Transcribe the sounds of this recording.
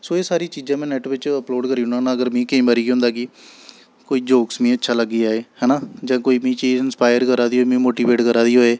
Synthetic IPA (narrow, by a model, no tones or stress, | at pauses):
soːeːsaːɾiːt͡ʃiːd͡ʒãːmɛ̃ːnɛʈʋɪt͡ʃəploːɖkəɾiːʊnaːnaːəɡəɾmĩːkeĩːmaɾiːɡɦʊ̃nd̪aːkɪ | koːiːd͡ʒoːksmĩːətːʃʰaːləɡiːaːeːhɛːnaːd͡ʒãːkoːiːmĩːt͡ʃiːzɪnspaːjəɾkəɾaːd̪iːɦoːmĩːmoːʈiːʋeːʈkəɾaːd̪iːɦoːeː